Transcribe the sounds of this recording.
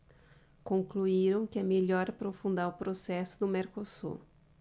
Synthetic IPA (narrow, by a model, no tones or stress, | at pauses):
kõŋkluiɾɐ̃w̃kɪɛmeʎɔɾapɾofũnd̪aɾʊpɾosɛsʊd̪ʊmeɾkosṵɾ